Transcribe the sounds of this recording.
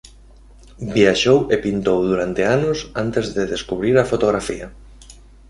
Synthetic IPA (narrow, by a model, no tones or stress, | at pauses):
bjaʃowepint̪owðuɾant̪eanʊsant̪ezðɪðeskuβɾiɾafot̪oɣɾafiɐ